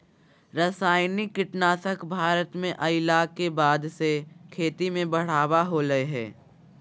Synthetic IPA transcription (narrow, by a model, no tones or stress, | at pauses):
ɾɐsaːɪnikːɪʈnaːt̪əkbʱaːɾət̪mẽʔɐɪlakːebaːd̪sekʰeːt̪imẽbɐɽ̤aːwaɦoləeɦɛ̰ː